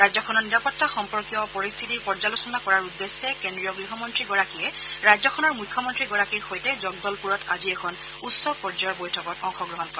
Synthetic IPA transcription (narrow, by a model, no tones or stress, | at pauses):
ɹajzɔkʰɔnɔɹniɹapɔtːaxɔmpɔɹkijɔpɔɹist̪ʰitiɹpɔɹzalusɔnakɔɹaɹudːesːɛkendɹijɔɡɹiɦɔmɔntɹiɡɔɹakijɛ | ɹajzɔkʰɔnɔɹmujkʰːjɔmɔntɹiɡɔɹakiɹxojtɛzɔɡ̚dɔlpuɹɔtʰaziɛkʰɔn | utsɔpɔɹd͡ʒɔjɹbojtʰɔkɔtɔŋxɔɡɹɔɦɔnkɔɹɛ